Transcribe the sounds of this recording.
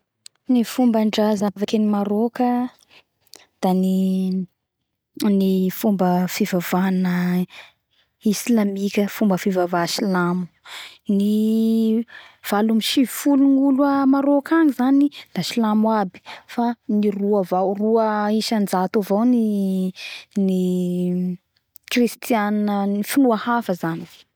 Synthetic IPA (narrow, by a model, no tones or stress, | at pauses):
nifumbaɳɖ͡ʐazavakʲənimaɾokə | d̪̥ani | nifumbəfivavanə | islamikʲəfumbəfivavaʃilamu̥ | ni | v̥alumiʃivifuluŋulwəmaɾokaŋizaninaʃilamwabi̥faniruavawruəiʃand͡zat̪avawni | ni | krist̪ianənifinuahafəzanive̥